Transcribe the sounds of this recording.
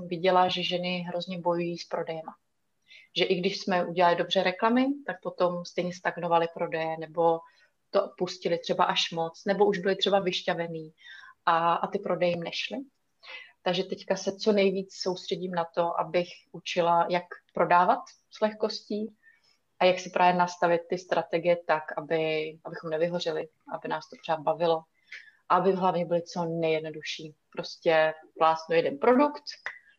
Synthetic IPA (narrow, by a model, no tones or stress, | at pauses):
vɪɟɛlaʒɛʒɛnɪɦɾo̞zɲɛbo̞jujiːspɾo̞dɛjɛma | ʒɛʔɪɡdɪʃsmɛʔuɟɛlalɪdo̞br̝ɛɾɛklamɪt̪ak̚po̞t̪o̞mst̪ɛjɲɛst̪aɡnovalɪpɾo̞dɛjɛnɛbo̞ | t̪opuscɪlɪt̪r̝̥ɛbaʔaʃmo̞t͡snɛbo̞ʔuʒbɪlɪt̪r̝̥ɛbavɪʃcavɛniːʔaʔat̪ɪpɾo̞dɛjmnɛʃlɪ | t̪aɡʒɛt̪ɛckasɛt͡so̞nɛjviːt͡sso̞wst̪r̥ɛɟiːmnat̪o̞ʔa̰bɪxʔut͡ʃɪlajakpɾo̞daːvat̪ | slɛxko̞sciː | ʔajaksɪpɾʔaːvjɛnast̪avɪt̪̚ːɪst̪ɾat̪ɛɡɪjɛt̪akʔabɪʔabɪxo̞mnɛvɪɦo̞r̝ɪlɪ | ʔabɪnaːst̪opor̥aːd̪̚bavɪlo̞ | ʔaabɪɦlavɲɛbɪlɪt͡so̞nɛjɛdno̞duʃiːpɾo̞scɛplaːsnujɛdɛnpɾo̞dukt̪